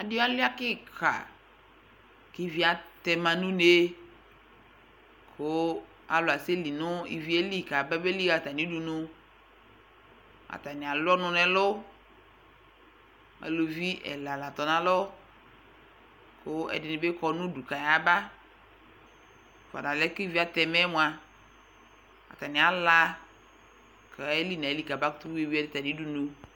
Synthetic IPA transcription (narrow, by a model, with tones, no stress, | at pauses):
a˨di˦a˦lɪ˦a˦kɪ˦ka̰˨ | ke˦vi˨˦a˨t̪ɛ˨mã˨nũ˦ne˦ | ko˦ | a̰˨lʊ˨a˨se˦li˨nʊ̃˦ḭ˨vi˦e˦li˦ka˨bɛ˦be˦li˦ka˨t̪a˨nĩ˦du˨nʊ̃˦ | a̰˨t̪a˨nĩ˨a˨lɔ˦nʊ̃˨nɛ̃˨lo˦ | a̰˨lo˨vi˦ʔɛ̰˨la˨la˨t̪ɔ˨nã˦lɔ˦ | kʰʊ˦ɛ̰˨dɪ˨nɪ̃˨be˦kɔ˨nʊ̃˦du˨ka˨ja˨ba˦ | fa̰˨da˨lɛ˦kɪ˦vi˦a˨t̪ɛ˨mɛ˦mʊ̃˨a˨ | a̰˨t̪a˨nɪ̃˨a˨la˦ | kʰe˦li˦nã˨e˨˦li˦˨ka˨ba˦kʊ̥˦t̪u˦we˦˨vi˦a˦dɪ˦t̪a˨ni˨˦du˨nu˨